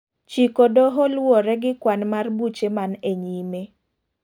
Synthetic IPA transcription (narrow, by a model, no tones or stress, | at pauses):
t͡ʃikodoɦɔlwɔɾɛɡɪkwanmarbut͡ʃemaneɲime